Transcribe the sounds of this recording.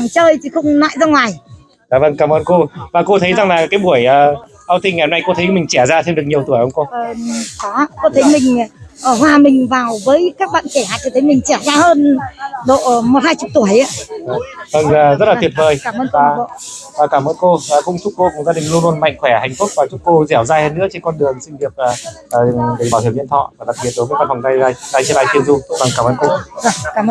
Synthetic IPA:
a˨˩ŋt͡ɕəː˧jt̪ʰi˨˩xə˧wŋ͡mna̰ː˧˨jzaː˧ŋwaː˨˩j | za̰ː˧˨˩və˧nkaː˧˩mʔəː˧nko˧vaː˨˩ko˧t̪ʰə˨˦jza˨˩ŋlaː˨˩kaː˨˦jɓu˧˩əjʔəː˨ | ʔaː˧wt̪i˧ŋa˨˩jhŋ͡mna˧jko˧t̪ʰə˨˦kmï˨˩ŋ̟t͡ɕɛ˧˩zaː˧t̪ʰe˧mɨ˨˩ək̚ɲi˨˩əwt̪u˧˩əjʔə˧wŋ͡mko˧əː˨˩kɔ˨˦ko˧t̪ʰə˨˦jmï˨˩ŋ̟ə˧˩hwaː˨˩mï˨˩ŋ̟vaː˨˩wvəː˨˦jkaː˦˥k̚ɓa̰ː˧˨nke˧˩ha̰ː˧˨t͡ɕɔ˧˩t̪ʰə˨˦jmï˨˩ŋ̟t͡ɕɛ˧˩zaː˧həː˧nɗo̰˧˨mo˨˩t̚haː˧jt͡ɕʊ˨˩t̪u˧˩əjʔa̰ː˧˦˨ | və˧˩ŋː˨˩zə˦˥t̚laː˨t̪ʰi˨˩ət̚vəː˨˩jːməː˧nvaː˧˨˩ | aː˨˩kaː˧˩mʔəː˧nkoː˧˨˩kʊ̰˧˥ŋ͡mt̪ʰʊ˦˥t̚ko˧kʊ˧˩ŋ͡mzaː˧ɗï˨˩ŋ̟lwənlwənma̰˧˨jŋ̟xwɛ˧˩ha˨˩jŋ̟fʊ˦˥k̚vaː˨˩t͡ɕʊ˦˥t̚ko˧zɛ˧˩wzaː˧jhəː˧nɨ̰˧˥ət͡ɕe˧nkɔ˧nɗɨ˨˩əŋsï˧vi˨˩əp̚əː˨˩˨ | ɗi˨˩ɓaː˧˩whi˧˩ɲi˧ənt̪ʰɔ̰˧˨vaː˨˩ɗa˨˩t̚ɓi˨˩ət̚ɗo˨˦jm˧˦jkɔ˧nfa˨˩ŋ͡mzaː˧jaː˧jzaː˧jt͡ɕi˧˦laː˧˨jki˧ənzu˧və˨˩ŋkaː˧˩mʔəː˧nko˧vkaː˧˩m˧

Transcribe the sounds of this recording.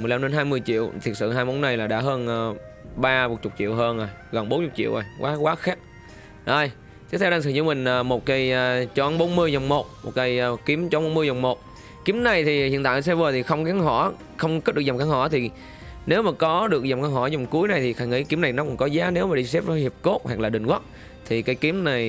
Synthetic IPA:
m˨˩jla˧mɗe˧nɦaː˧jmɨ˧əjt͡ɕḭ˧˨əwt̪ʰi˨˩ət̚sɨ̰˧˨ɦaː˧jmɓo˨˦nːa˨˧˩jlaː˨˩ɗa̰ː˧˥ɦəː˧nː˧ | ɓaː˧m˨˩t̚t͡ɕʊ˨˩k͡p̚t͡ɕḭ˧˨əwɦəː˧nʔa˨˩jɣə˨˩nɓo˨˦nt͡ɕʊ˨˩k͡p̚t͡ɕḭ˧˨əʔə˨˩jkwaː˨˦kwaː˨˦xaː˦˥k̚ | ɗə˧˩j | t̪ʰi˨˦˥t̪ʰwɗaː˧ŋsɨ̰˧˨˩zɨ̰˧˦mï˨˩ŋ̟ʔəː˨˩mo˨˩t̚kə˧jːt͡ɕɔ˧˨˦nɓo˨˦nmɨ˧əjzə˨˩wŋ͡mmo˨˩t̚mo˨˩t̚kə˧jki˨˦əmt͡ɕɔ˧˦ŋ͡mɓo˨˦nmɨ˧jzɔ˨˩wŋ͡mmo˨˩t̚ | ki˨˦mna˨˩jt̪ʰi˨˩hḭ˨˧˨ənt̪aː˧˨˦s̬ɛ˧vəː˨˩t̪ʰi˨˩xə˧wŋ͡mkaː˨˦ŋɦɔ˧˩˦ | xə˧wŋ͡mkə˦˥ɗɨ˨˩k̚zŋ͡mkaː˨˧˦ŋhɔ˧˩jt̪ʰi˨˩ | ne˨˦wmaː˨˩kɔ˨˦ɗɨ˨˩ək̚za˨˩mkaː˧˦ŋhɔ˧˩jzɔ˨˩wŋ͡mku˨˦əjna˨˩jt̪ʰi˨˩xaː˧˩jŋḭ˧˥ki˨˦mna˨˩jnɔ˨˦kʊ̰˧˥ŋkɔ˨˦zaː˨˦ne˨˦wmaː˨˩ɗi˧s̬ɛ˦˥p̚vəː˨˦hi˨˩əp̚ko˦˥t̚ha˨˩k̚laː˨˩ɗï˨˩ŋ̟kwə˦˥t̚ | t̪ʰi˨˩kaː˨˦jki˨˦mna˨˩j

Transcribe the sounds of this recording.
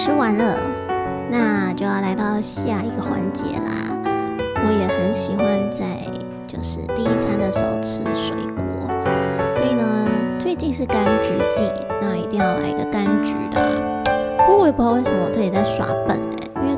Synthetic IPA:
ʈ͡ʂʰɻ̩˥wa˧˥nlə˨ | na˥˧t͡ɕjo˥˧ʊjɑ˥˩ʊla˧˥ɪɑ˥˩ʊɕja˥˩i˥˩ɡə˩xwa̰˧˥nt͡ɕjɛ̰˧˥lə̰˧ | wɔ˧˥jɛ˨˩xə˧˥nɕi˨˩xwa˧˦nt͡sa˥˧ɪ | t͡ɕjo˥˧ʊʂɻ̩˥˧t̪i˥˧i˥˩t͡sʰa˥nd̪ə˨ʂ̩˧˨˥o̰˥˧˩ʊʈ͡ʂʰɻ̩˥ʂwḛ˨˩ɪkwɔ̰˧˥swɔ˧˥i˨˩nə˦t͡swe˥˧ɪt͡ɕi˥˧ŋʂɻ̩˥˩ka˥nʈ͡ʂu˧˥t͡ɕi˥˩ | na˥˩˨i˧t̪i˥˧ŋjɑ˥˩ma̰˨˩ḭ˧˥ɡə˧ka˥nʈ͡ʂy˨˩˥də̰˧˩˧ | we˥˩pwe˥˩mə˧˥˩ɔ˨˩t͡sɹ̩˥˩t͡ɕi˨˩t͡sa˥˩ɪʂwa̰˧˥pə̰˨˩nə̰˨˩˦i˥nwe˥˧˩

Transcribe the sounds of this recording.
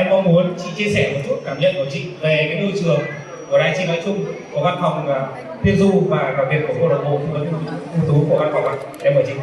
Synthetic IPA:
ʔɛ˧mɔ˧ŋ͡mmu˨˦ənt͡ɕḭ˧˨t͡ɕi˧əsɛ˧˩mo˨˩t̚t͡ɕu˦˥t̚kaː˧˩mɲə̰˧˨nku˧˩ət͡ɕḭ˧˨ve˨˩kaː˨˦jɗu˧˩jt͡ɕɨ˨˩əŋ | ku˧˩əɗaː˧jt͡ɕḭ˧˨nɔ˨˦jt͡ɕʊ˧ŋ͡mku˧˩əɣa˧nfa˨˩wŋ͡mː | t̪ʰi˧nzu˧vaː˨˩kaː˨˩vi˨˩ət̚ku˧˩əko˧˩ɗə˨˩ɓo̰˧˨t̪ɨ˧˩kɔ˨˦ki˧˦m˨˦t͡ɕu˦˥t̪ʰu˧t̪ʰu˨˦ku˧˩əa˧nfa˨˩wŋ͡ma˨˩˨ʔɛ˧mɓəː˧˩t͡ɕḭ˧˨

